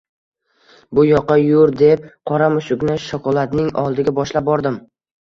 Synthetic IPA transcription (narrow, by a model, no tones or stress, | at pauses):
bʊjɒqːɑjʊɾd̪e̞p̚qʰɒɾamʊʃʊknɪʃɒkʰɒlˠat̪nɪŋɒ̰lˠd̪ɪɡʲabɒʃlap̚bɒɾd̪ɪm